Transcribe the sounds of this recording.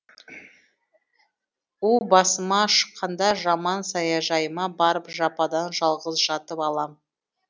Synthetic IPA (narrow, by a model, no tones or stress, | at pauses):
ubɑsəmɑʃə̥qʰːɑnd̪ɑʒɑmɑnsɑjɑʒɑjəmɑbɑɾəpʒɑpɑd̪ɑnʒɑlˠʁəzʒɑt̪əpɑlˠɑm